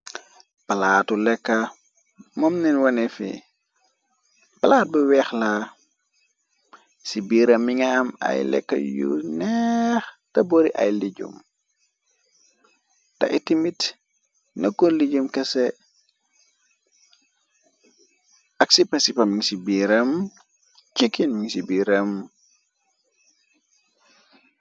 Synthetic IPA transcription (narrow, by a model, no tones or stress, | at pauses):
pɐlaːtulɛkːa | mɔmninwɐnɛfḭ | pɐlaːt̚buwɛxla | sibiːɾɐmiŋamɐ̰jlɛ̰kːɐ̰jṵnɛx | tɐboɾiʔɐ̰jliɟṵm | tɐ̰ʔitimit | nɐkːuliɟumkɐsɛ | ʔɐksipɐsipɐmiŋsibiɾɐm | t͡ʃikːinmiŋsibiːɾəm